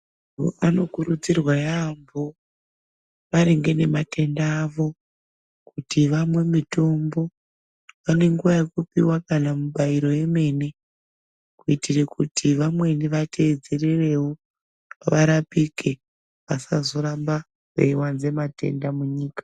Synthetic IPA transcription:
ano̞kuɾud͡zirwajambo | ʋaɾeŋɡe̞ne̞mate̞ndaːʋo̞ | kutiʋamwe̞mito̞mbo̞ | ʋane̞ŋɡuʋajekupiwakanamuɓaiɾo̞je̞me̞ne̞ | kuitirekutʰiʋamwe̞niʋatʰe̞ːd͡zerere̞wo | ʋaɾapike | ʋasazo̞ɾamba | wḛiwanze̞mate̞̰ndamuɲiːkḁ

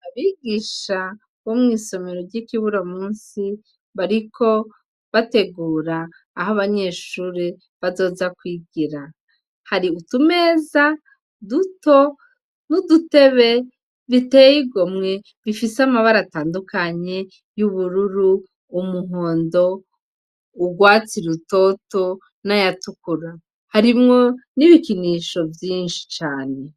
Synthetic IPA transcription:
aβiːɡiʃa | βomŋiːso̞me̞ɾoɾɟikiβuɾamuːnsi | βaɾikʰo̞ | βate̞ɡuːɾaː | ɦoβaɲe̞ːʃuːɾi | βazo̞ːzakwiːɡiɾa | haɾiutume̞ːza | duto̞ | nudute̞βe̞ | βitejiɡo̞mŋe̞ | βifiseamaβaɾataːndukaɲe̞ | juβuɾuɾuː | muɦo̞ːndo̞ | uɡwaːt͡siɾuto̞to̞ | najatukuɾa | haɾimŋo̞niβikiniʃo̞vjiːnʃi̥t͡ʃaːne̞

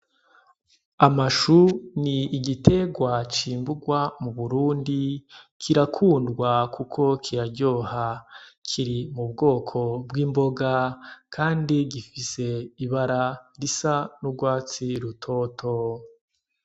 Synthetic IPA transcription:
amaʃuniːɡitʰe̞ɡwat͡ʃiːmbuɡwamuβuɾuːndi | kʰiɾakʰuːndɡwakʰukʰo̞kʰiɾaɟo̞hakʰiɾimubɡo̞ːkʰo̞bwiːmbo̞ɡakʰaːndiɡifise̞iβaɾaɾisanuɡwaːt͡siɾutʰoːtʰo

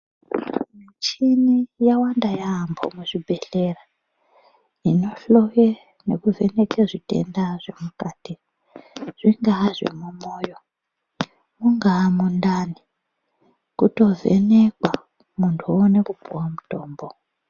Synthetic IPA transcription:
mit͡ʃinijawandajaːmbʰʱo̰muʐibʱeɬera | inoɬoje | nekuvenekeʐitḛndaʐemukaːti | ʐ̥iŋɡaʐḛmumoːjo | muŋɡamundaːni | kuto̞vḛnekwa | muntʰuonekupuwamutoːmbo

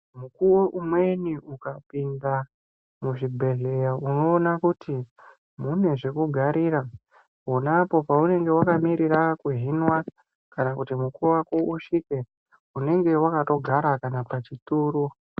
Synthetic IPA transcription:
mukuwoʔumwe̞niukapinda | muʐibʱe̞ɮe̞jauno̞ːnakuti | mune̞ʐe̞kuɡʱaɾiːɾa | onapo̞paune̞ŋɡe̞wakamiɾirakweɦinwa | kanakutimukuwakouʂike̞ | une̞ŋɡe̞wakato̞ɡʱaɾakanapat͡ʃituːɾu

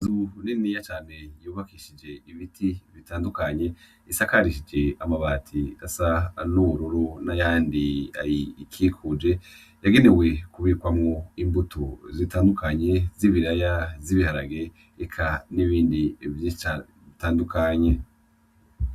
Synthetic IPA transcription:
zuninijat͡ʃaːn̥e̞juːβakiʃid͡ʒe̞iβitʰiβitaːndukaɲe̞ | isakaɾiʃid͡ʒe̞amaβaːtʰiasanuβuɾuɾunajaːndia̰jikʰikʰud͡ʒe̞ | jaɡe̞newe̞kuβiːkwamŋoimbutuzitaːndukaɲe̞ziβiɾajaziβihaɾaɡe̞ | ekʰaniβiːndivi | itaːndukaɲe̞

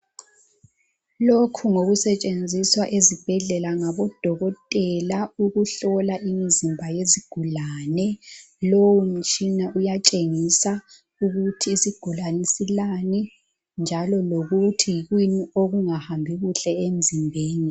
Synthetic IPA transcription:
lokʰuŋoɣusɛt͡ʃʼend͡zʱiswaʔezib̥ʱɛɮɛlaŋaβɔd̥ʱɔɣɔtʼɛlauɣuɬɔlaʔimizimbʱajeziɡ̥ʱulaːnɛ | lowun̩t͡ʃʼinaʔujat͡ʃʼeŋisa | uɣutʰiːsiɡ̥ʱulanisilani | nd͡ʒʱalɔloɣutʰijiɣwinioɣuŋahambʱiɣuɬɛem̩zʱimbʱeːni

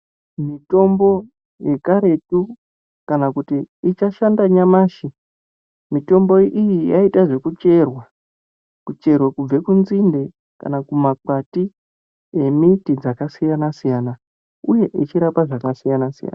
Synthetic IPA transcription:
mito̞mbo̞ | je̞kaɾe̞tu | kanakutiːt͡ʃaʃandaɲamaːʃi | mito̞mbo̞ʔijijaitaʐe̞kut͡ʃe̞rwa | kut͡ʃe̞rwekub͡ve̞kunzinde̞ | ka̰nakumak͡pati | e̞mitid͡zakasijanasijana | uje̞ʔit͡ʃiɾapaʐakasijanasija̰ːna

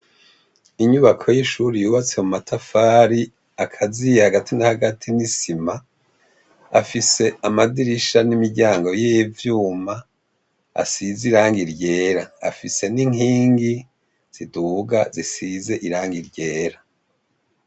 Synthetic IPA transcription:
iɲuβakʰo̞jiʃuɾijuːβat͡se̞mumatʰafaɾi | akʰazijehaɡatinahaɡatʰinisima | afise̞amadiɾiʃanimiɾɟaːŋɡo̞jevjuːma | a̰siziɾaːŋɡiɾɟe̞ːɾaa̰fise̞niŋiːŋɡi | z̥iduɡazisize̞ʔiɾaːŋɡiɾɟe̞ːɾa

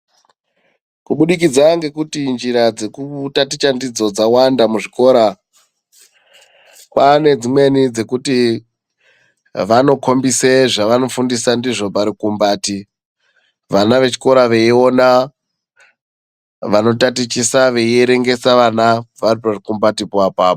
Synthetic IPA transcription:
kuɓuɗik̬id͡zaŋɡe̞kutind͡ʒiɾad͡ze̞kutatit͡ʃandid͡zo̞d͡zawandamuʐiko̞ːɾa | pane̞d͡zimwe̞nid͡ze̞kuti | ʋano̞kʰo̞mbiseʐaʋano̞fundisandiʐo̞paɾikumbaːti | ʋanaʋe̞t͡ʃi̥ko̞ɾaʋe̞io̞na | ʋano̞tatit͡ʃisaʋe̞ieɾe̞ŋɡe̞saʋanaʋariparikumbatipapaːpo

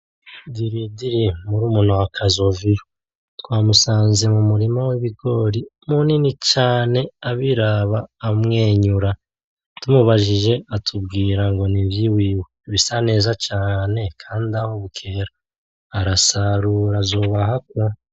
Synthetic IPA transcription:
diɾidiɾimuɾuːmun̥huakʰazo̞vijo | twaːmusaːnze̞mumuɾimawiβiɡo̞ɾimuninit͡ʃaːne̞aβiɾaβaːmŋe̞ːɲuɾa | tumuβaʒiʒe̞atʰubɡiːɾaŋɡo̞nivjiwiːweβisane̞ːzat͡ʃaːne̞kʰaːndiahoβukʰe̞ɾaː | ɾasaɾuɾazoβaɦak̚wo

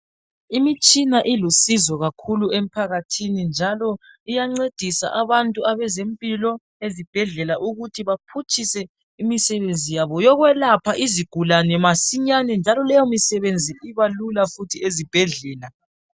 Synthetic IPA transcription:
imit͡ʃʼinaʔilusizɔɣakʰuluem̩pʰaɣatʰinind͡ʒʱalɔ | ijaŋ͡ǀed̥ʱisa̰ʔaβantʼuaβɛzempʼilɔ | ezib̥ʱɛɮɛlaʔuɣutʰiβapʰut͡ʃʰʼisɛ | imisɛβend͡zʱijaβɔjɔɣwɛlapʰaʔiziɡ̥ʱulanɛmasiɲanɛnd͡ʒʱalɔlɛjɔmisɛβend͡zʱiiβalulafutʰiezib̥ʱɛɮɛːla

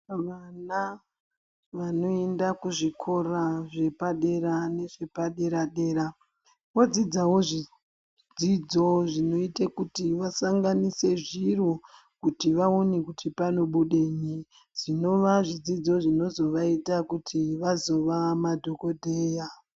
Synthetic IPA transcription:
ʋana | ʋano̞endakuʐikʰo̞raʐe̞paɗe̞ɾane̞ʐe̞paɗe̞ɾaɗe̞ːɾa | ʋo̞d͡zid͡zawoʐi | d͡zid͡zo̞ʐino̞itekutiʋasaŋɡanise̞ʐiro | kutiʋaonikutʰipano̞ɓuɗeɲi | ʐ̥ino̞ʋaʐid͡zid͡zo̞ʐino̞zo̞ʋaitakutʰiʋazo̞ʋamadʱoko̞dʱeːja

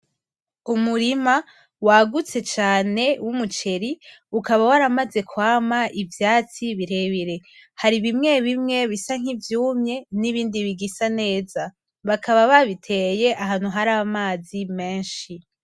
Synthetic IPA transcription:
umuɾima | waɡut͡se̞t͡ʃaːne̞wʔumut͡ʃe̞ɾiukaβawaɾamaze̞kwaːmaʔivjaːt͡siβiɾe̞βiɾe̞haɾiβimŋe̞βimŋe̞βisaŋ̥ivjuːmɲe̞niβiːndiβiɡisane̞ːza | βakʰaβaβaβitʰe̞je̞ʔaɦaːn̥huɦaɾaβamaːzime̞ːnʃi

